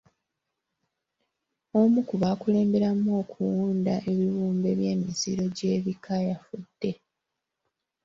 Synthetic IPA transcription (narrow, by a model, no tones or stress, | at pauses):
o̞mukuβaːkule̞ːmbe̞ɾamːoːkʰuwuːndaʔe̞βiβuːmbe̞βje̞ːmiziɾo̞ɟe̞ːβikʰajafudːe̞